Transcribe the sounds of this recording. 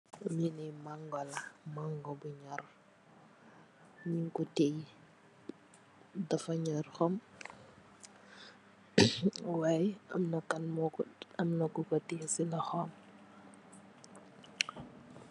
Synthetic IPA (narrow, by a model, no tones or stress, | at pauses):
minɛjmaŋɡɔlɐmaŋɡɔbuɲɔr | ɲiŋkutej | dɐfɐɲɔrxɔm | wajɐ̰mnɐkɐnmɔkɐmnɐkukɔtejsilɐxɔm